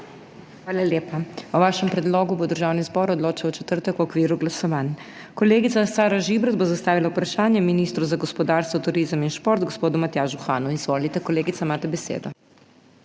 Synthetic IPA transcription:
xʋaːlaljeːpauʋaːʃɛmpɾɛd̪loːɡubod̪əɾʒaːwnizbɔːɾɔd̪loːt͡ʃiwwt͡ʃɛt̪əɾt̪əkwɔkʋiːɾuɡlasɔʋaːn | kɔleːɡit̪sasaːɾaʒibɾad̪̚bozast̪aːʋilaupɾaʃaːnjɛminiːst̪ɾuzaɡɔspɔd̪aːɾst̪ʋɔt̪uɾiːzəminʃpoɾt̪ɡospoːd̪umat̪jaʒuxaːnuizʋoːlit̪ɛkɔleːɡit̪saimaːt̪ɛbɛsḛːd̪ɔ

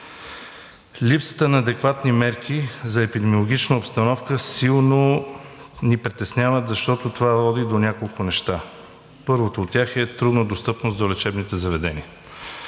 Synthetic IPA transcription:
lipsə̥t̪ənɐːd̪ɛkvat̪nimɛɾkʰʲizɐɛpid̪ɛmiolˠoɡʲit͡ʃnəopst̪ɐnɔfkəsilˠno | nipɾit̪ɛsnʲavət̪zɐʃt̪ɔt̪ot̪ovavɔd̪id̪onʲakolˠkʊnɛʃt̪a | pɤɾvot̪oːt̪tːʲjaxɛt̪ɾud̪nəd̪ost̪ɤpnosd̪olɛt͡ʃɛbnit̪ɛzɐvɛd̪ɛnḭə

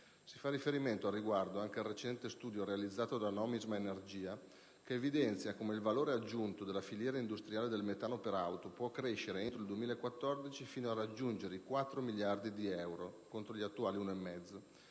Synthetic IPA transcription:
si̥farːifeɾiment̪oarːiɡward̪oaŋkealret͡ʃɛnt̪est̪uːd̪joɾealid̪zːaːt̪od̪anɔmizmaenerd͡ʒiːa | keːvid̪ɛnt̪sjakomeilvaloːɾead͡ʒːunt̪od̪elːafiljɛːɾaind̪ust̪ɾiaːled̪elmet̪aːnopeɾawt̪opwɔkːɾeʃːeɾeent̪ɾoild̪uemiːlaekwat̪ːɔrd̪it͡ʃifiːnoarad͡ʒːund͡ʒeɾeikwat̪ːɾomiljard̪id̪iɛwɾokont̪ɾoʎiat̪ːuaːliunoemːɛd̪zːo

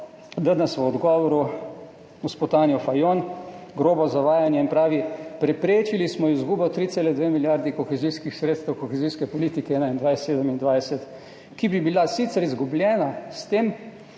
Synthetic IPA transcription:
d̪əd̪nasʋɔɔd̪ɡɔʋɔɾu | uspɔt̪aːnjɔfajonɡɾoːbɔzaʋaːjanjɛinpɾaːʋipɾɛpɾeːt͡ʃilismɔizɡuːbɔt̪ɾiselɛd̪ʋeːmiljaɾd̪ikɔxɛziskixsɾet̪st̪ɛwkɔxɛziskɛpɔliːt̪ikɛɛːnaind̪ʋajsseːd̪əmind̪ʋajsɛt̪ | kibibilasit̪sɛɾizɡublʲjɛːnast̪eːm

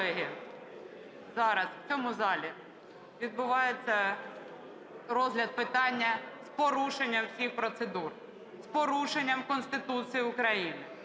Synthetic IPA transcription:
ɛɦɪ | zɑɾɐswt͡sʲɔmʊzɑlʲi | ʋʲid̪̚bʊʋɑjet͡sʲːɐ | ɾɔzɦlʲɐd̪̚pɪt̪ɑnʲːɐspɔɾuʃenʲːɐmsʲixpɾɔt̪sed̪ur | spɔɾuʃenʲːɐmkɔnst̪ɪt̪ut͡sʲijiʊkɾɐjinɪ

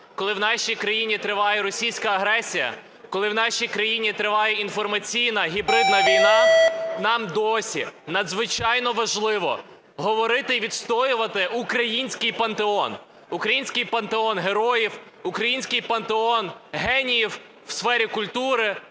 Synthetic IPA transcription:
kɔlˠɪwnɑʃʲijkɾɐjinʲit̪ɾɪʋɑjɛɾɔsʲijsʲkɐɐɦɾɛsʲijɐ̰ | kɔlˠɪwnɑʃʲijkɾɐjinʲit̪ɾɪʋɑjɛinfɔrmɐt͡sʲijnɐɦʲibɾɪd̪nɐʋʲijnɑnɑmd̪ɔsʲḭnɐd̪zʋɪt͡ʃɑjnɔʋɐʒlˠɪʋɔ̰ | ɦɔʋɔɾɪt̪ɪʋʲid̪st̪ɔjʊʋɐt̪ɪʔukɾɐjinʲsʲkɪjpɐnt̪eɔn | ukɾɐjinʲsʲkɪjpɐnt̪eɔnɦeɾɔjiw | ʊkɾɐjinʲsʲkɪjpɐnt̪eɔnɦɛnʲijiw | wsfɛɾʲikʊlʲt̪uɾɪ

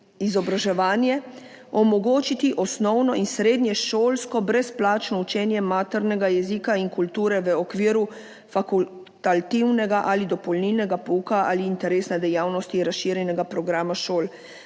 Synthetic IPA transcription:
izɔbɾaʒɛʋaːnjɛ | ɔmɔɡoːt͡ʃit̪iʔɔsnɔwnɔinsɾeːd̪nʲjɛʃoːlskɔbɾɛsplaːt͡ʃnɔut͡ʃɛːnjɛmaːt̪ɛɾnɛɡajɛziːkainkult̪uːɾɛʋəɔkʋiːɾu | fakul | t̪alt̪iwnɛɡaʔalid̪ɔpɔlnilnɛɡapoukaaːliːnt̪ɛɾeːsnɛd̪ɛjaːwnɔst̪iɾasʃiːɾjɛnɛɡapɾɔɡɾaːmaʃoːl

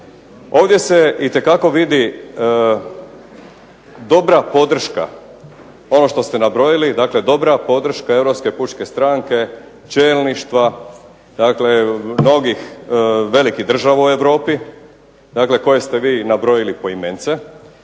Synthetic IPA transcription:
o̞ːʋd̪je̞seit̪e̞kako̞ʋid̪i | d̪o̞bɾapo̞d̪r̩ʃka̰ | o̞no̞ʃt̪o̞st̪e̞nabɾo̞jilid̪aːkle̞d̪o̞bɾapo̞d̪r̩ʃkae̞ʋɾo̞pske̞put͡ʃke̞st̪ɾaːŋke | t͡ʃeːlniʃt̪ʋa | d̪akle̞no̞ɡixʋe̞likid̪r̩ʒaʋaue̞ʋɾo̞ːpi | d̪akle̞ko̞je̞st̪e̞ʋiːnabɾo̞jilipo̞iment̪se̞

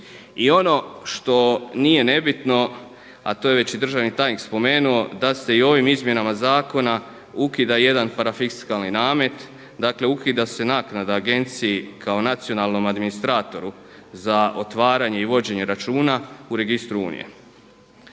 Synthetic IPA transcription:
io̞no̞ʃt̪o̞nije̞ne̞bit̪no̞ | a̰t̪oːje̞ʋe̞t͡ɕid̪r̩ʒaʋnit̪aːjnikspo̞me̞ːnuo̞d̪ase̞io̞ʋimizmje̞namazaːko̞na | ukid̪aje̞d̪anpaɾafikskalninaːme̞t̪ | d̪akle̞ukid̪ase̞naknad̪aːɡe̞nt̪sijikʰao̞nat̪sio̞nalno̞mad̪minist̪ɾaːt̪o̞ɾu | zaʔo̞t̪ʋaːɾaɲe̞iʋo̞d͡ʑe̞ɲe̞ɾat͡ʃuːnauɾe̞ɡist̪ɾuṵnḭje̞̰

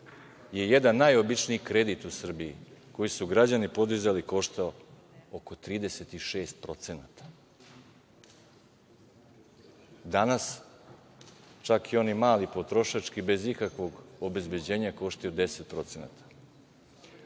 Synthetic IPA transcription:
je̞je̞d̪anːajo̞bit͡ʃniikɾe̞d̪it̪usr̩bijḭko̞jisuɡɾad͡ʑanipo̞d̪izaliko̞ʃt̪ao | oko̞t̪ɾiːd̪e̞se̞t̪iʃe̞ːst̪̚pɾo̞t̪senat̪ḁ | d̪anas | t͡ʃakio̞nimaːlipo̞t̪ɾo̞ʃat͡ʃkibe̞zikakʋo̞ɡo̞bezbe̞d͡ʑe̞ːɲako̞ʃt̪ajod̪e̞set̪̚pɾo̞t̪sena̰t̪ʰḁ

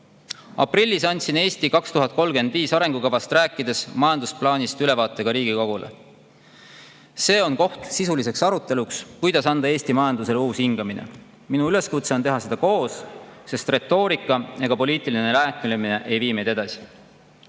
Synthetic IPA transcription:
ɑ̰prilʲːisɑnʲt̪ʲsine̞ːst̪ikɑkst̪uɦɑt̪̚ˑko̞lɡe̞nd̪̥viːsɑɾe̞ŋɡ̥ukɑvɑst̪ræːkːˑid̪e̞smɑjɑnd̪usplɑːnʲist̪yle̞vɑːt̪ːˑe̞ɡ̥ɑɾiːɡiko̞ɡ̥ulḛ | se̞ːo̞nko̞ht̪sisulise̞ksɑɾut̪ːˑe̞lukskujd̪̥ɑsɑnd̪ɑeːsʲt̪imɑjɑnd̪use̞luːshiŋɡ̥ɑminḛ | minuyle̞skut̪se̞o̞nt̪e̞ɦɑse̞d̪̥ɑko̞ːsse̞st̪re̞t̪ːo̞ːɾikːˑɑe̞ɡ̥ɑpo̞liːt̪ːˑiline̞læːt̪milemine̞ʔe̞jviːmejd̪e̞d̪ɑsi̥

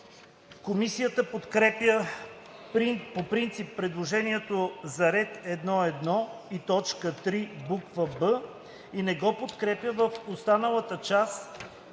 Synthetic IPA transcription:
komisijət̪əpot̪kɾɛpjə | ɾipopɾint̪sipːɾɛd̪lˠoʒɛniɛt̪ozɐɾɛt̪ɛd̪nɔɛd̪nɔit̪ɔt͡ʃkət̪ɾibukvəbə | inɛɡɔpot̪kɾɛpjəvəfost̪anəlˠət̪ət͡ʃas

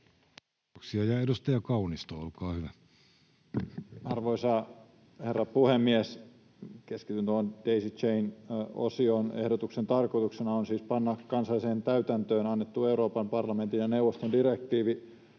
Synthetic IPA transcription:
ksiɑjɑedust̪ɑjɑkɑunist̪oːolkɑːhyʋæ | ɑrʋoisɑː | herːɑpuhemːies | keskit̪ynt̪uond̥eisit͡ʃeino̰sionehdot̪uksent̪ɑrkoit̪uksenɑonsiːspɑnːɑkkɑnsɑlːˑiseːnt̪æyt̪ænt̪øːnɑnːet̪ːueuɾoːpɑmpɑrlɑment̪injɑnewʋːˑost̪ondirek̚t̪iːʋi

